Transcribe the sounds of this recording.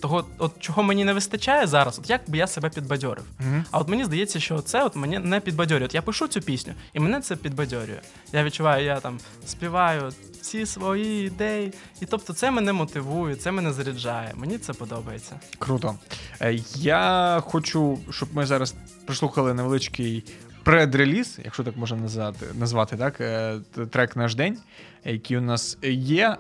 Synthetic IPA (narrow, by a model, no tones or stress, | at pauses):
t̪ɔɦɔɔt̪t͡ʃɔɦɔmenʲinɛʋɪst̪ɐt͡ʃajɛzɑɾɐsɔt̪jak̚bɨjasebɛpʲid̪bɐdʲɔ̰ɾɪ̰wɐɔt̪menʲizd̪ɐjɛt͡sʲːɐʃt͡ʃɔt̪sɛɔt̪menʲinɛpʲid̪bɐdʲɔɾʲɪɔt̪japɪʃut͡sʲupʲisʲnʲʊ̰imɛnɛt̪sɛpʲid̪̚bɐdʲɔɾʲʊ̰jʊ̰ | jaʋʲid̚ʲt͡ʃʊʋɑjʊjat̪ɑm | spʲiʋɑjʊ | t͡sʲisʋɔjiːd̪ɛji | it̪ɔp̚t̪ɔt̪sɛmɛnɛmɔt̪ɪʋujʊt̪sɛmɛnɛzɐɾʲɪd͡ʒɑjɛ̰menʲit̪sɛpɔd̪ɔbɐjet͡sʲːɐkɾut̪ɔ | jaxɔt͡ʃuʃt͡ʃɔbmɪzɑɾɐs | pɾɪslˠuxɐlˠɪnɐʋelˠɪt͡ʃkɪjpɾɛd̪ɾelʲizjɐ̰kʃɔt̪ɑkmɔʒnɐnɐzt̪ɪ̰nɐzʋɑt̪ɪt̪ɑkt̪ɾɛknɑʒd̪ɛnʲ | jɐkʲijʊnɑsjɛ